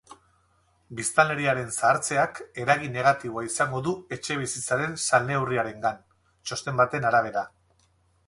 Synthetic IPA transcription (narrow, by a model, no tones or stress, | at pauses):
bist̪ale̞ɾiaɾe̞nsaːɾt͡se̞ake̞ɾaɣ̞ine̞ɣ̞at̪iβo̞aisaŋɡo̞ðue̞t͡ʃe̞β̞isit͡saɾe̞nsalnewriaɾe̞ŋɡan | t͡ʃo̞st̪e̞mbat̪e̞naɾaβ̞e̞ɾa